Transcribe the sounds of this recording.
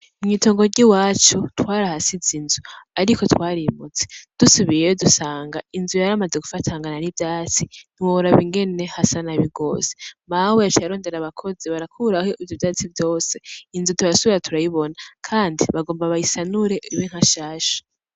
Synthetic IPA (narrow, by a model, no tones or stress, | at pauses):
ɲito̞ːŋɡo̞ɾɟiwaːt͡ʃutwaːɾahasizinzuaɾiko̞twaːɾimut͡sed̥usuβijejo̞dusaːŋɡainzujaɾamad͡ze̞ɡufatʰaŋɡananivjaːt͡sin̥iwooɾaβiŋɡe̞ne̞hasanaβiɡo̞̰zemaweat͡ʃaaɾo̞ːnde̞ɾaβakʰo̞ziβaɾakʰuɾaho̞ʔivjovjaːt͡sivjo̞ːse̞inzutuɾasuβiɾatʰuɾajiβo̞nakʰaːndiβaɡo̞ːmbaβahisanuɾe̞ʔuɾiwiŋ̥haʃaːʃḁ